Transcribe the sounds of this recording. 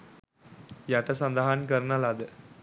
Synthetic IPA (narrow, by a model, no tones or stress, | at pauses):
jɐʈːɐsɐnd̪ɐɦaːnkɐɾnɐlad̪ɯ